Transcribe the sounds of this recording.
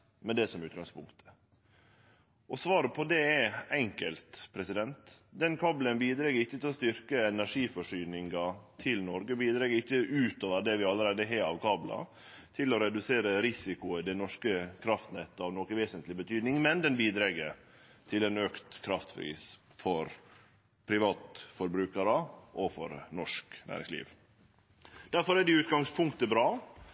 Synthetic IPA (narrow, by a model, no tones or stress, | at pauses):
mɛd̪ɛsɔmʉːt̪ɡɑŋspʊŋkt̪ʰə̥ | ʔɔsʋɑːɾəpʰɔd̪ɛɛɛŋkəlt̪pʰɾɛsɪd̪ɛnt̪d̪ɛnkʰɑːblənbiːd̪ɾɛɡəɾɪçːət̪ɪlɔst̪ʏɾkəɛnæʂiːfɔʂyːnɪŋɡɑt̪ʰɪlnɔɾɡəbiːd̪ɾɛːɡəɾɪçːəʔʉːt̪oːʋəɾd̪ɛʋɪɑlːəɾæːd̪əɦeːɾɑ̰ʋkʰɑːblɑ̰ | t̪ʰɪlɔɾɛd̪ʉseːɾəɾɪsɪkʊəd̪ɛnɔʂkəkʰɾɑft̪n̩ɛt̪ːəɑʋnoːkəʋeːsənt̪lɪbət̪ʰyːd̪nɪŋmɛnd̪ɛnbiːd̪ɾɛɡəɾ | t̪ʰɪlɛnøːkt̪kʰɾɑft̪fɾḭːs | fɔɾ | pʰɾɪʋɑːt̪fɔɾbɾʉːkəɾəʔɔfɔ̰ɾnɔʂknæ̰ːɾɪ̰ŋslḭːʋ | d̪̥æɾfɔɾæɖɪʉːt̪ɡɑŋspʰʊŋkt̪əbɾɑː